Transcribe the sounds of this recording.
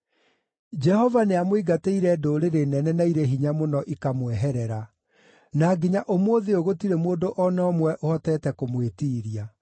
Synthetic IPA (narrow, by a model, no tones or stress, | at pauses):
d͡ʒɛhɔvaneamwoiɡateiɾɛdoːɾeɾenɛnɛnaiɾeɦiɲamonɔʔikamwɛɦɛɾɛɾa | naɡiɲaʔomwoːðeoɣotiɾemoːndoʔɔnɔɔmwɛʔohɔtɛːtɛkomwetiːɾia